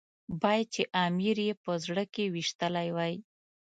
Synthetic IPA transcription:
bɑjad̪̚t͡ʃeʔamiɾjepəzɽəkewiʃt̪əlajwɑj

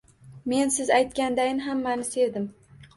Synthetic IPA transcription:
me̞nsɪzajt̪̚kʲand̪ajɪnɪɦamːanɪse̞ɾd̪ɪm

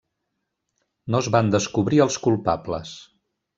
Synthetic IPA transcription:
nozβand̪əskuβɾiəlˠskulˠpaplə̰s

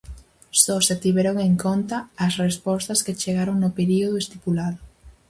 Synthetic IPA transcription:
sɔset̪iβɛɾoŋeŋkont̪aːsrespɔst̪ɐsket͡ʃeɣaɾoŋnʊpeɾioð̞ʊest̪ipulaðʊ

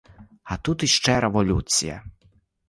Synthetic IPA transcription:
ɐt̪ut̪iʃt͡ʂɛɾeʋɔlʲut͡sʲḭjɐ̰

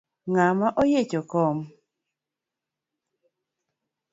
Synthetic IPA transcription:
ŋamaʔɔjet͡ʃokɔm

